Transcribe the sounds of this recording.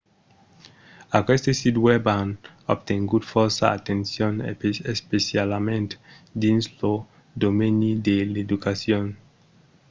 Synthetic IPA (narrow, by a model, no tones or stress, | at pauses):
akwest̪esid̪weban | ob̚t̪eŋɡud̪foɾsaat̪ensjonepespesjalamẽnt̪e | d̪inslo | d̪omenid̪eled̪ukasjon